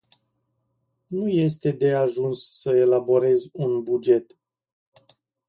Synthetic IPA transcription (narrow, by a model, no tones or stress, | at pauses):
nuje̞s̬t̪e̞d̪e̞aʒunsːəe̞labo̞ɾe̞zʲunbud͡ʒe̞t̪